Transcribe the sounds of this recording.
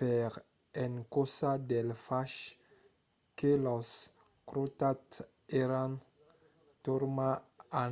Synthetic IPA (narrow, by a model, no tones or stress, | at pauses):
pɛʁ | ɛnkosad̪ɛlfaʃ | kelɔs | kɾot̪at̪ | eɾãn | t̪uɾmaa